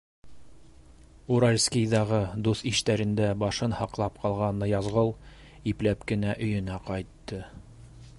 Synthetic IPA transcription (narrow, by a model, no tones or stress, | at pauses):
uɾalʲskʲijðɑʁɤd̪uθiʃt̪æɾɘ̆nd̪æbɑʃɤnhɑqlˠɑp̚qɑlˠʁɑnːɤjɑzʁɤlˠ | iplæpkɘ̆næʔɵ̆jɵ̆næqɑjt̪ːɤ